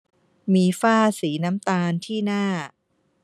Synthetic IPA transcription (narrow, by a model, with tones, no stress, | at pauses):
miː˧faː˥˩siː˩˦na˦˥mt̪aː˧nt̪ʰiː˥˩naː˥˩